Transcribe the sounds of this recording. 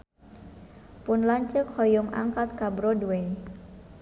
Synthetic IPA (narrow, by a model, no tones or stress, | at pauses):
pʊnlaɲt͡ʃəkhɔjʊŋʔa̰ŋkat̪kabɾoduwej